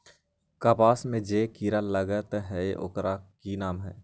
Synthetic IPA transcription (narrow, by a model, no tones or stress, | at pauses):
kəpaːsmẽd͡ʒeːkiːɾaləɡət̪ɦɛʔo̰kɾʔakiːnaːmɦɛː